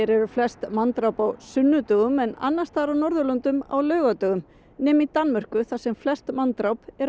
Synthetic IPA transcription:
ɛɾɛɾʏflɛst̪mant̪ɾawpawsʏnːʏt̪œɣʏmɛna̰nːḁst̪aːɾawnɔɾðʏlœnt̪ʏma̰wlœːɥɣat̪œːɣʏm | nɛːmit̪anmœr̥kʏθasɛmflɛst̪mant̪ɾawpɛɾ

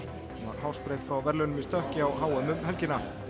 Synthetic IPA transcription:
ma̰ɾhawspɾejt̪fɾawvɛɾlœnʏmist̪œhcɪawɦaːwœmʏmhɛlcɪna

